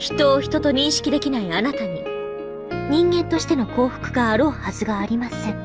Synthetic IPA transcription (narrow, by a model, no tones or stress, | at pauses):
çi̥t̪o̞ːçi̥t̪o̞t̪o̞ɲ̟ĩɰ̃ɕi̥kʲid̪e̞kʲinaianat̪aɲ̟i | ɲ̟ĩŋɡẽ̞nt̪o̞ɕi̥t̪e̞no̞ko̞ːɸɯ̥kɯ̟ɡaːɾo̞ːhazɨɡaːɾʲimasɨ